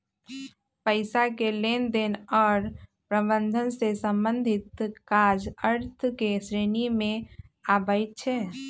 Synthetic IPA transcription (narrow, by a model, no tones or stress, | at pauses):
pəɪsakelend̪enɔːɾ | pɾəbənd̪ʱənsesəmbənd̪ʱit̪kad͡ʒəɾt̪ʰkesɾenimẽabəɪt̪̚t͡ʃʰɛ